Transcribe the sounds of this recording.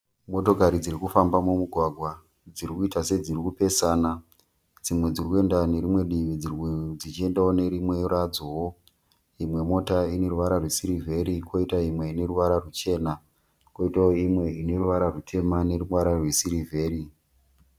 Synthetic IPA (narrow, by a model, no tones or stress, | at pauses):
mo̞to̞kaɾid͡ziɾikufambamumuɡʱwaɡʱwa | d͡ziɾikuitase̞d͡zirikupe̞saːna | d͡zimwe̞d͡zirikue̞ndane̞ɾimwe̞ɗiʋid͡zird͡zit͡ʃie̞ndaone̞ɾimwe̞rad͡zowo | imwe̞mo̞taine̞ɾuʋaɾarwesiɾivʱe̞ɾikʰo̞itaimwe̞ine̞ɾuʋaɾarut͡ʃe̞ːna | ko̞itaoimwe̞ine̞ɾuʋaɾarutʰe̞mane̞ruwaɾarwesiɾivʱe̞ːɾi